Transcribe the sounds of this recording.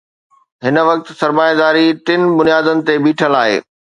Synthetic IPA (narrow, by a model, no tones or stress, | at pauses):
ɦɪnəʋɐk̚t̪̆sɐɾmaːjad̪aːɾiʈɪn̆bʊnijaːd̪ənɪ̆t̪ebiːʈʰəlaːɦḛː